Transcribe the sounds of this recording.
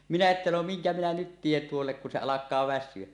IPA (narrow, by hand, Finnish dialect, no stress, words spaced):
minæ etːæ no miŋkæ minæ nyt tien tuolːek kun se ɑlɑkˑɑː ʋæsˑyø